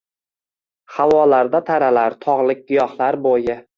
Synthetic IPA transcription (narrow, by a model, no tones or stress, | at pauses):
hawɒlaɾd̪at̪ʰaɾalaɾt̪ʰɒʁlˠɪk̚ʲɡʊjɒχlˠaɾbojɪ